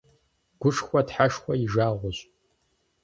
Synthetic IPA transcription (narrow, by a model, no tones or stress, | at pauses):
ɡ̥ʷʊʂxʷɐdħaʂxʷɐjiʒaːʁʷʊɕʼ